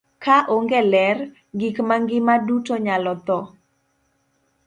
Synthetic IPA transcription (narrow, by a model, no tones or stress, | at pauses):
kaʔoŋɡɛlɛr | ɡikmaŋɡɪmadutoɲalɔt̪ɔ